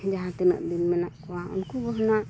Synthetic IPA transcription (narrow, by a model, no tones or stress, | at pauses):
d͡ʒaɦãt̪ɛmɛ̰ʔd̪inmɛnaʔkɔwaʔɔ̰nkuɡɔɦnaʔ